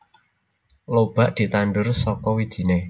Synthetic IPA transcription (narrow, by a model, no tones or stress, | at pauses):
lob̥a̤ʔd̪̥i̤t̪anɖʊrsɔkɔwid̥ʒ̥i̤ne